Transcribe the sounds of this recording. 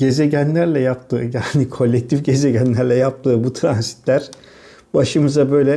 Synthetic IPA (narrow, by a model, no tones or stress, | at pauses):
ɟ̥e̞ze̞ɟænlʲæɾlʲɛjap̚t̪ʰɯːjaːnikʰo̞lʲːɛc̚t̪ʰifɟe̞ze̞ɟænlʲæɾlʲɛjap̚t̪ʰɯːbut̪ʰɾanzi̥t̪lʲæɾ̥ | b̥aʃɯmɯzabø̞jlʲɛ